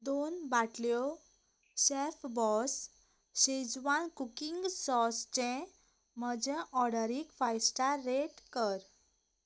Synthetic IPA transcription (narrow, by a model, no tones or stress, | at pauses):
d̪onbaʈljɔ | ɕefbɔs | ɕed͡zʋankukiŋɡsɔst͡ɕẽ | məd͡ʑɛ̃ʔɔɽəɾikfajsʈaɾːeʈkəɾ